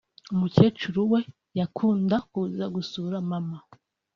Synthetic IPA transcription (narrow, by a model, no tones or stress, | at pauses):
umuce̞ːt͡ʃuɾuwe̞ | jakʰuːndakuzaɡusuɾamama